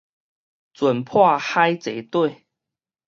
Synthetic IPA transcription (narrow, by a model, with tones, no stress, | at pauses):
t͡swə˨˩npʰwa˥˧xa˦jt͡se˨˦t̪we˥˨ɪ